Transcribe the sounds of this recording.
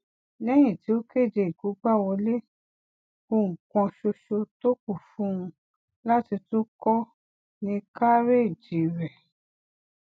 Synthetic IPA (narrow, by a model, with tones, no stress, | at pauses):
lɛ˦j̃ĩ˦˨ti˨˦o˦ke˦˨d͡ʒe˧˨i˨ɡu˨˦ɡ͡ba˦˨wɔ˧le˦ | ko˧˨ŋ̩˨kɔ̃˧ʃo˧ʃo˧to˦ku˦˨fũ˦ũ˧ | la˦ti˧to˦kɔ˦ | nĩ˧ka˦ɾe˦˨d͡ʒi˨ɾɛ˨